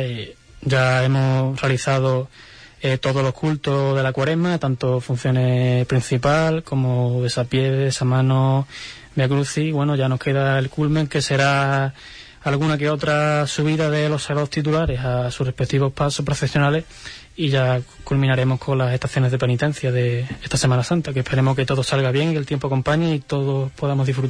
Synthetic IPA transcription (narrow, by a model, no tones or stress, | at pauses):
e | ɟ͡ʝae̞mor̥ealiθað̞o̞ | et̪o̞ðo̞lo̞kult̪oð̞e̞lakwaɾe̞mat̪ant̪ofun̟θjo̞ne̞pɾin̟θipalko̞moðe̞sapje̞ðesamãno | beak̬ɾuθiwe̞noʝano̞hkʰe̞ðaelkulmẽ̞ŋke̞se̞ɾa | lɣunak̬e̞o̞t̪ɾasuβ̞iðaðe̞lo̞saɣɾaðot̪it̪̬ulaɾe̞sasure̞pe̞k̚t̪iβo̞hpasopɾo̞fe̞sjo̞nale̞h | iʝakulmĩnaɾe̞mo̞hkʰo̞nlase̞t̪aθjo̞neðe̞pe̞nit̪e̞n̟θjaðe̞est̪ase̞manasant̪akepʰeɾe̞mohke̞t̪o̞ð̞o̞salɣaβje̞ŋike̞lt̪jempoako̞mpaɲeit̪o̞ðo̞po̞ð̞amoðifɾut̪